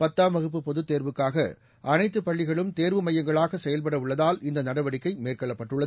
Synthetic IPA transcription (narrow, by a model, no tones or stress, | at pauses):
pɐt̪ːaːmɐɣɯp̬ːɯpːɔðɯt̪ːeːɾʋɯkːaːɣɐ̰ | ʔɐnɐɪt̪ːɯpːɐɭːɪɣɐɭɯmt̪eːɾʋɯmɐjːɐŋɡɐɭaːɣɐsɛjɐlp̬ɐɽɐʊɭːɐðaːlɪnd̪ɐnɐɽɐʋɐɽɪkːɐɪmeːrkɐɭːɐpːɐʈːɯɭːɐ